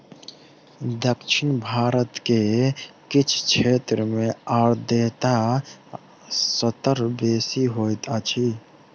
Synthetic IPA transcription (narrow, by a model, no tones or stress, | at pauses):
d̪əkʃʰɪnbʱaːɾət̪kekɪt͡ʃʰt͡ʃʰeːt̪ɾəmẽaːɾd̪eːt̪a | sət̪əɾbeːsiɦoːjt̪at͡ʃʰi